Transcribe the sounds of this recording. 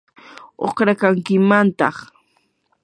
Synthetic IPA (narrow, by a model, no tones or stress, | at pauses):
o̰χɾakaŋkɪmant̪ɑ̰χ